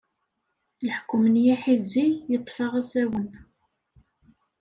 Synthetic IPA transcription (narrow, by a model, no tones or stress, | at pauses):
lħkːʊmnjæħizːijət̪ˤːfɑʁæsæwən